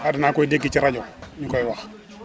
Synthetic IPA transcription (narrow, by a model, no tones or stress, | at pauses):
adinakɔidekːit͡ʃiɾad͡ʒɔnikɔjiwax